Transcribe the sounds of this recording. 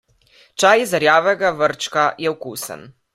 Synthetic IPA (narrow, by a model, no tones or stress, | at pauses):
t͡ʃajizɐɾjaːʋɛɡaʋəɾt͡ʃkajɛwkuːsə̰n